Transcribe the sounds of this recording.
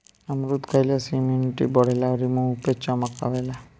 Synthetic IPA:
amɾut̪kʰajlasimuniʈḭbəɽ̤elaʋɾimũupet͡ʃaməka̰ʋela

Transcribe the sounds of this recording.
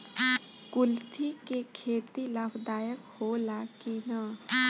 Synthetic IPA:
kʊlt̪ʰikekʰeːt̪ilɐpʰd̪aːjəkholaːkina

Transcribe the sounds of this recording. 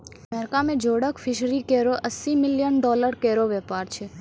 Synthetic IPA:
əmɛɾkamẽd͡ʒoɽəkfʰɪʃɾikeɾoʔəsimɪljənɖɔləɾkeɾoʋɛpaɾt͡ʃʰe

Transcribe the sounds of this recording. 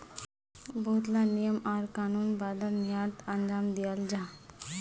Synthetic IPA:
but̪lanijəmaɾkanuːnbad̪anijat̪ənd͡ʒaːmd̪ijald͡ʑa

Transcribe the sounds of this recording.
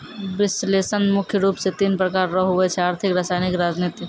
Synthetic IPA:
ʋɪsleːsənmʊkʰjəɾuːpset̪iːnpɾəkaːɾːəɦɦʊet͡ʃʰɛaːɾt̪ʰɪkɾɐsaːɪnɪkɾaːd͡ʒniːt̪i

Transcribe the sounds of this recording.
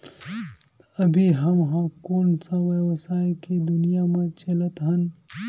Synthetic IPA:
ɐbʱiɦɐmɦãkoːnsaʋjəwsaːjkid̪ʊnijamẽt͡ʃɐlət̪ɦɐn

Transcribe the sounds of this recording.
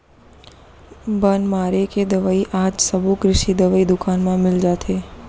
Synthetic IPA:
bənmaɾeked̪əʋaiʔad͡ʒsəbukɾɪʃid̪əʋaid̪ʊkanmãmɪld͡ʒat̪ʰe

